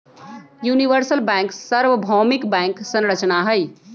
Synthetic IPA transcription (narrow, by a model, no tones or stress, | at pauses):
juniʋəɾsəlbɛ̃ŋksəɾʋəbʱɔmikbɛ̃ŋksə̃nɾət͡ʃnaɦəɪ